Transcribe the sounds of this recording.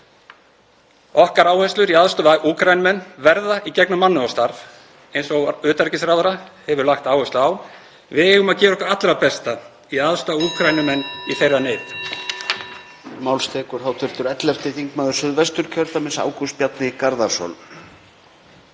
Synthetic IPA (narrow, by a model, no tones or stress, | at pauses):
ɔhkaɾaːwhɛst̪lʏɾiaðst̪ʏaʔuːkʰɾajnʏmɛnːvɛɾðaʔicɛknʏmːanːʏɔst̪aɾv | ejnsɔɣʏːt̪aɾcɪsɾaːwðʏɾahɛvʏɾlaxt̪aːwhœsʏaːw | vɪðɛːɣʏmaðcɛːɾɔhkvaɾat̪lɾapɛst̪a | iaðst̪auːkʰɾajnʏmɛnːiθejɾðaneːjt̪ | mawlst̪ʰɛːkʏɾ̥θawt̪ʰʏɾ̥t̪ʏɾɛt̪lɛft̪ɪθiŋkmaðʏɾ̥sʏðvɛst̪ʏɾ̥cʰœɾt̪amɪsa̰ːwkuspjat̪nɪikaɾðaɾsɔ̰l